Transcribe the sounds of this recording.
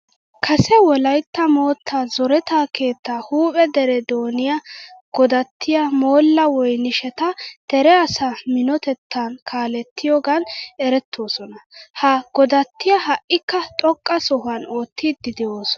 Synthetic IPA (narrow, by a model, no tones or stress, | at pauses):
kʰɐsɛwɔlɐjt̪ːɐmoːt̪ʰːazɔɾɛt̪aːke̞ːt̪ːahuːpʼɛd̪ɛɾɛd̪oːnɪjɐɡ̥ɔd̪ɐt̪ːɪjɐmo̞ːlːɐwɔjnɪʃɛt̪ɐd̪̥ɛɾɛɐsɐmɪnɔt̪ɛt̪ːɐnkʰaːlɛt̪ʰːɪjɔɡɐnɛɾɛt̪ʰːo̞ːsɔnɐhɐɡ̥ɔd̪ɐt̪ːɪjɐɦɐʔɪkːɐt̪ʼɔkʼːɐsɔɦɐnoːt̪ːiːd̪ːɪd̪ɪjoːsɔ̥